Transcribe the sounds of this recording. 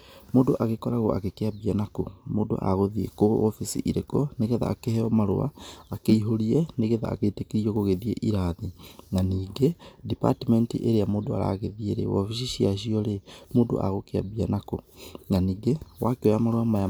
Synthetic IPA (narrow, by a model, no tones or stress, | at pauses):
moːdoʔaɣekɔɾaɣoa̰ɣekeabianakomoːdo̰ʔa̰ɣoðiḛkoɔfisḭʔiɾekɔneɣeða̰ːkehɛɔmaɾo̰a̰ːkeiɦoɾiɛneɣeða̰ːɣetekeɾiɔɣoɣeðiḛʔiɾaðiŋaniːɡedipa̰timɛntḭʔeɾeamoːdoa̰ɾa̰ːɣeðieɾḛɔ̰fisiʃiaʃ̬iɔɾemoːdo̰ʔa̰ɣokea̰bianako̰ŋaniːɡewakeojamaɾoamaja